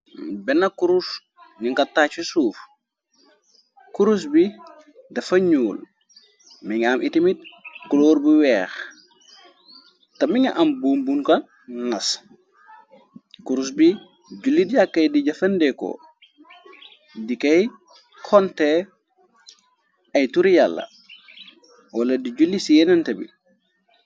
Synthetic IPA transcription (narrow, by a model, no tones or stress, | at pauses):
bɛnːɐkuɾus | niŋkɐtːat͡ʃisuːf | kuɾus̬bi | dɐfɐɲuːl | miŋamʔitimit̚kuloːɾbiwɛːx | tɐmiŋɐ̰ʔɐmbuːmbunkɐn | nɐs | kuɾus̬bi | ɟulːidjakːɐjdiɟɐfɐndɛko̰ | dikɐj | kʰɔntɛ | ɐjtuɾijalːɐ̰ | wɐlɐdiɟulːisijɛnɐntɐbḭ